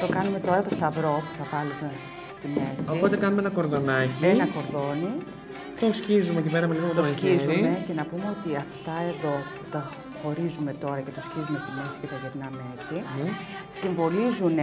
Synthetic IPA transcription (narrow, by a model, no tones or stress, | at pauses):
t̪o̞kɐnume̞t̪o̞ɾɐt̪o̞st̪ɐvɾo̞pu̥θɐvɐlume̞ | st̪ime̞soio̞t̪e̞kɐnumeenɐko̞ɾðo̞nɐcienɐko̞ɾðo̞ni | t̪oscizumeecipeɾɐmeliɣoot̪oscizuimece̞nɐpume̞o̞t̪iɐft̪ɐe̞ðo̞put̪ɐ | xo̞ɾizume̞t̪o̞ɾɐce̞t̪o̞scizume̞st̪ime̞si̥t̪ekɐʝeɾnɐmee̞t͡si | siɱvo̞lizun